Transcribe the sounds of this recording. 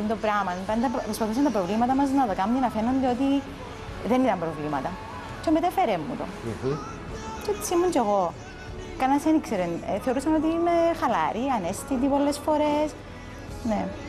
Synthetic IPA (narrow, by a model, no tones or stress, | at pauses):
und̪opɾɐmɐnpɐnt̪ɐpɾospɐθus̬ɐnt̪ɐpɾovlimɐt̪ɐmɐznɐðɐkɐmd̪inɐfenond̪eot̪i | ðe̞nit̪ɐmpɾovlimɐt̪ɐ | t͡ʃombet̪efeɾemːṵt̪o̰ | t͡ʃot̪i̥simːunt͡ʃeɣo | kɐnɐsenikseɾenθe̞o̞ɾusɐno̞t̪iːmexɐlɐ̰ɾiɐnest̪it̪̬ipo̞lːesfo̞ɾes | ne